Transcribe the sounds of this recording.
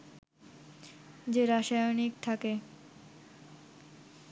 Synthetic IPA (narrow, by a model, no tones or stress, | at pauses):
d͡ʑeɾaʃajonik̚t̪ʰake